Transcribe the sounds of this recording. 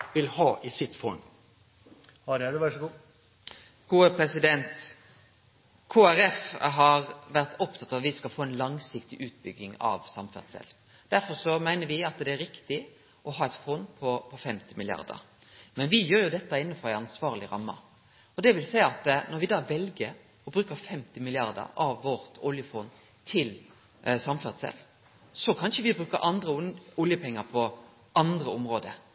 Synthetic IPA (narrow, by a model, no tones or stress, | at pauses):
ʋɪlhɑːʔɪsɪt̪fɔn | hɑɛdʋæʂɔɡuː | ɡ̥uːəpʰɾɛsɪd̪ɛnt̪ | kʰoːæɾɛfɦɑɾʋæɾt̪ɔpt̪ʰɑt̪ːɑʋɑt̪ʋɪskɑlfoːɛɪnlɑŋsɪkt̪ɪʔʉːt̪̚bʏɡːɪŋɑ̰ʋsɑmfæ̰ʁt̪sɛ̰l | d̪̥æɾfɔɾsɔmæɪnəɾʋɪɑt̪d̪ɛæɾɪkt̪ɪ | ɔɦɑːɛt̪fɔnd̪pʰɔpʰɔfɛmt̪ɪmɪlɪɑ̰ɾd̪ə̰ɾ | mɛnʋɪjøːɾjʊd̪ɛt̪ːɑɪnːəfɔɾæɪɑnsʋɑːʁlɪɾɑ̰mːɑ̰ | ɔd̪ɛʋɪlsæɪɑt̪nɔɾʋɪd̪ɑːʋɛlɡəɾ | ɔbɾʉːkəɾfɛmt̪ɪmɪlɪɑʁd̪ə̰ɾɑʋːɔɾt̪ʊljəfʊn | t̪ʰɪl | sɑmfɛʁd̪sɛ̰l | sɔkʰɑnʃəʋɪbɾʉːkəɾʔɑnd̪ɾəʊljəpʰɛŋːəpʰɔ | ɑnd̪ʁəʊmɾoːd̪ə